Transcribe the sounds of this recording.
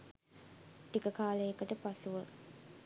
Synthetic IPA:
ʈikəkaːləjekəʈəpasuʋə

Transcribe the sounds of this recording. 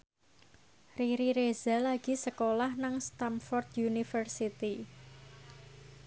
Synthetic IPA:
riɾiɾez̥alaɡ̥i̤səkolahnaŋst̪amfɔrd̪junifərsit̪i

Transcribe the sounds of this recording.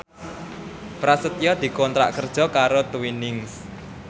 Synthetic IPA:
pɾasət̪jɔd̪̥i̤kɔnt̪ɾa̰ʔkərd̥ʒ̥ɔ̤kaɾot̪uwinɪŋs

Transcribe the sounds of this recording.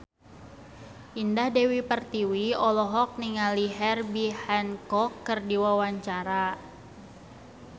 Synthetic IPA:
ʔindahdewipərt̪iwiɔlɔɦɔk̚niŋaliɦɛrbihɛnkɔkːərdiwawaɲt͡ʃaɾa

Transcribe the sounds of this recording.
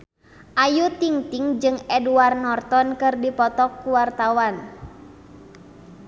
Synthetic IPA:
ʔajut̪iŋt̪iŋd͡ʒɨŋɛduarnɔrt̪ɔnkɨrdipɔt̪ɔkːuwart̪awan

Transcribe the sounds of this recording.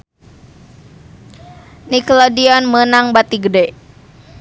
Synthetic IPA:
niklɔdiɔnmənaŋbat̪iɡədɛ

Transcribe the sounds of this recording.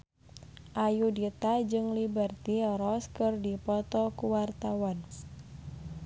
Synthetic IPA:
ʔajudit̪ad͡ʒɨŋlibərt̪iɾɔskɨrdipɔt̪ɔkuwart̪awan

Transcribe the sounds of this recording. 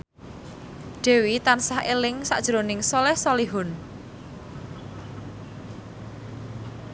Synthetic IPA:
ɖ̥e̤wit̪ansahʔelɪŋsa̰ʔd̥ʒ̥ɾonɪŋsɔlɛhsɔliɦʊn

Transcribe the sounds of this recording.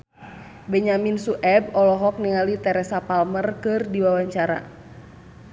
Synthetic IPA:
bɛɲaminsuʔɛb̚ɔlɔɦɔk̚niŋalit̪ɛɾɛsapalmərkɨrdiwawaɲt͡ʃaɾa̰

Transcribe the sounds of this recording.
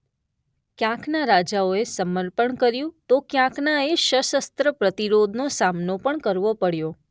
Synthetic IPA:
kjãknaɾad͡ʒaoesəməɾpəɳkəɾjũt̪okjãknaeʃəʃəst̪ɾəpɾət̪iɾod̪ʱnosamnopəɳkəɾʋopəɽjo

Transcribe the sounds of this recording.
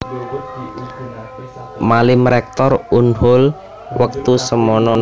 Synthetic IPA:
malɪmɾɛk̚t̪ɔrunhʊl | wək̚t̪usəmɔnɔn

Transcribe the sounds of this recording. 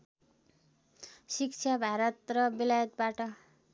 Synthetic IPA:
sikt͡sʰabʱaɾʌt̪rʌbilajʌt̪̚baʈʌ

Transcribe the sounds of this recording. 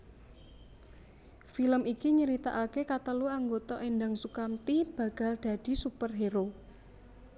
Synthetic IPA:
filəmikiɲəɾit̪a̰ʔakekat̪əluaŋɡot̪ɔʔendaŋsukamt̪ib̥ä̤ɡ̥a̤lɖ̥ä̤d̥i̤supərɦeɾo

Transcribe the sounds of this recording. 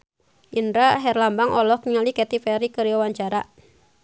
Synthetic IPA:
ʔindɾaɦɛrlambaŋɔlɔhkɲalikɛt̪ifɛɾikəɾiawaɲt͡ʃaɾa

